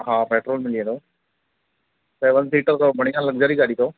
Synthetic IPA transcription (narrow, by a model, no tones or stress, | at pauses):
ɦãːpeːʈɾoːlmɪliẽːt̪ʰoː | seːʋənsiːʈəɾt̪obʱəɽ̃ijãːləɡd͡ʒaːɾiɡaːɽiːt̪ʰoː